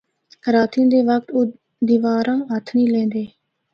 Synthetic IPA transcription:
ɾaːt̪ĩd̪eːʋək̚t̪oː | d̪iːʋaːɾãːɦət̪ʰnĩːlẽːnd̪eː

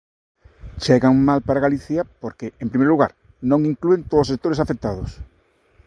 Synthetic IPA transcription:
t͡ʃɛɣaŋmalpaɾaɣaliθjɐpoɾkeʔempɾimejɾluɣaɾ | nõŋiŋkluent̪oðosek̚t̪oɾesafek̚t̪aðʊs

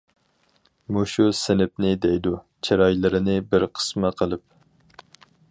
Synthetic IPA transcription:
muʃusɪnɪp̚nɪd̪ejd̪u | t͡ʃʰeɾɑjlˠɨɾɪnɨbɪɾqʰə̥sməqʰəlˠɨp̚

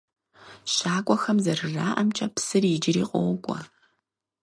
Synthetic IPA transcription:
ɕaːkʷʼɔxɐmzɐrɨraːʔɐmt͡ʃʼɐpsɨrid͡ʒɪɾiːqʷʼɔ̰wɡʷʼɔ̰

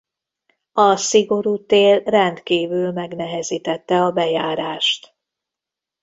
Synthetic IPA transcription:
ɒsiɡo̞ɾuːt̪eːlrɛnt̪kiːvylmɛɡnɛɦɛziːt̪ɛt̪ːɛɒbɛjaːɾaːʃt̪

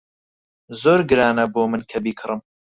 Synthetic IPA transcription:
zoːɾɡɨɾaːnɐboːmɨnkʰɐbiːkʰɨɾɨm

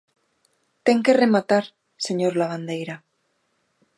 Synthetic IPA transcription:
t̪e̞ŋke̞re̞mat̪aɾ | se̞ɲoɾlaβ̞and̪e̞jɾa

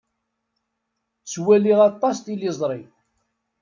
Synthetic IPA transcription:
t͡sːwæliʁɑt̪ˤːɑst̪ilizˤɾˤi

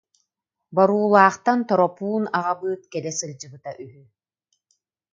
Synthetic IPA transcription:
bɔɾuːlˠaːχt̪ant̪ɔɾɔpuːnaʁabɯːt̪̚kɛlɛsɯld͡ʑɯbɯt̪aʔyɦy

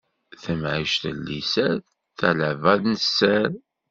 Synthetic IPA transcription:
θəmʕiʃt̪ə̰lːisæð | θæləvæðnəsːæl

